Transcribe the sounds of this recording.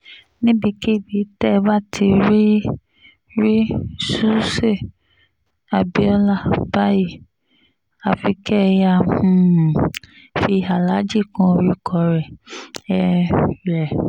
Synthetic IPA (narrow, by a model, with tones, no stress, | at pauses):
nĩ˦bi˧ki˦˨bi˨˦tɛ˦˧ba˦tʰi˧ɾi˦ | ɾi˦su˦se˦˨ | a˨bi˨˦ɔ˧la˦˨ba˦ji˦˨ | a˨fi˨˧kɛ˦˧ja˧˨ũ˦˨˦ | fi˧˦a˨la˨˦d͡ʒi˦˨kɔ̃˧ɾi˦kʰɔ˨˧˨ɾɛ˨ɛ˧ɾɛ˨